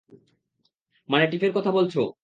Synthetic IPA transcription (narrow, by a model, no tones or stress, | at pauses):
maneʈifeɾkɔt̪ʰabolt͡ɕʰo